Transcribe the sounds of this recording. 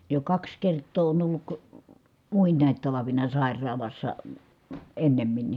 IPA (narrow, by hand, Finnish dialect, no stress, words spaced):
jo kɑks kertˑoː on olːuk muinˑɑˑit tɑlɑʋinɑ sɑˑi̯rˑɑːlɑsːɑ enːemːinːi